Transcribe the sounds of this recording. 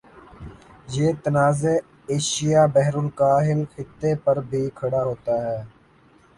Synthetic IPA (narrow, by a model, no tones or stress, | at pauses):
jeːt̪ənaːze | eːʃɪjaːbɛɦɾʊlkaːɦɪlxɪt̪ːepɐɾbʱiːkʰɐɽaːɦoːt̪aːɦɛː